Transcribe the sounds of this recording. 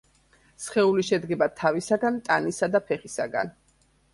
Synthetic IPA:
sχɛuliʃɛd̪ɡɛbat̪ʰavisaɡant̪ʼanisad̪apʰɛχisaɡa̰n

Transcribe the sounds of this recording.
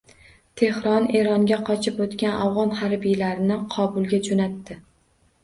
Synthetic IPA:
t̪ʰe̞hɾɒne̞ɾɒŋɡʲaqʰɒt͡ʃʰɪpot̪kʲanawʁɒnhaɾbijlaɾɪnɪqʰɒbʊlˠɡʲad͡ʒonat̪ːɪ

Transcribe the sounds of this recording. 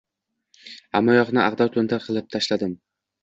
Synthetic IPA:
a̰mːɒjɒqnɪʔaʁd̪ɒɾt̪ʰɵnt̪ʰaɾqʰɨlˠɪp̚t̪ʰaʃlad̪ɪm

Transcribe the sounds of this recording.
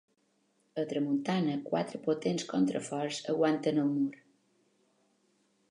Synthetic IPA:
ət̪ɾəmunt̪anəkwa̰t̪ɾəpot̪enskont̪ɾə̰fɔɾzə̰ɣwant̪ənəlˠmuɾ

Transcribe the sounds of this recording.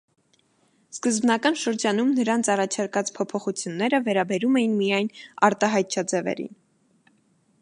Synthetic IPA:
skəzbnɑkɑnʃəɾd͡ʒɑnumnəɾɑnt͡sʰɑrɑt͡ʃʰɑɾkɑt͡spʰɔpʰɔχut͡sʰjunːɛɾəvɛɾɑbɛɾumɛjinmijɑjnɑɾt̪ɑɦɑjt̪̚t͡ʃʰɑd͡zɛvɛ̰ɾḭn

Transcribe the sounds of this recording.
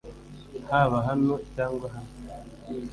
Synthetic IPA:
haβaɦanocaːŋɡwaɦano

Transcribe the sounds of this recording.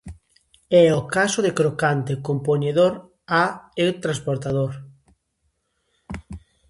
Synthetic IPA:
ɛokasoðekɾokant̪ekompoɲeðoɾ | aet̪ɾãnspoɾt̪að̞oɾ

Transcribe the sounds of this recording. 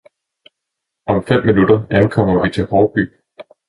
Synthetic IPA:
ɒ̽mfem̰ːinud̥ɐænkʰɒ̽m̰ɐʋit͡sʰe̝lhɒːb̥y̰ː

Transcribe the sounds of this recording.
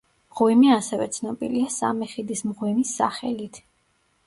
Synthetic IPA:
mʁwimiasɛvɛ̰t̪sʰnɔbḭliasa̰miχid̪ismʁwimisːa̰χɛlit̪ʰ

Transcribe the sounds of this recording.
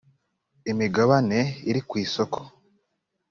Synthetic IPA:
imiɡaβane̞iɾikwiːso̞kʰo̥

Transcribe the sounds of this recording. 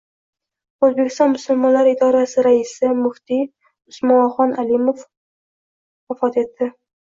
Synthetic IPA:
ɵzbekʲʰɪst̪ɒnmʊsʊlˠmɒnlaɾɪd̪ɒɾasɪɾaɪsɪmʊht̪i | ʊsmɒχɒnalimof | wafɒt̪e̞t̪ːɪ

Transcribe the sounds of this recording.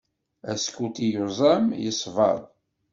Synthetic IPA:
æskut̪ijozˤæmjəsˤvɑ̰ðˤ

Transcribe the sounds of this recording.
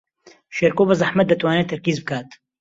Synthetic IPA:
ʃeɾkoːbɐzɐħmɐt̪̚d̪ɐt̪waːneːt̪ʰːɐɾkiːzbɨkʰaːt̪

